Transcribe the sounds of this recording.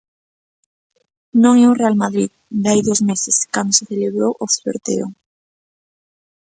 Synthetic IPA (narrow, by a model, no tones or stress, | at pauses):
nõŋɛorealmaðɾið | d̪ajðozmeseskand̪oseθeleβɾowʔoθβḛɾt̪ḛo̰ŋ